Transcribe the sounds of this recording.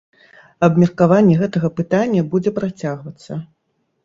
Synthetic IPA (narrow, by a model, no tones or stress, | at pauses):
ɐbmʲɛrkavanʲːɛɣɛt̪ɐɣɐpɨt̪anʲːɐbud͡zʲɛpɾat͡sʲaɣvɐt̪sːɐ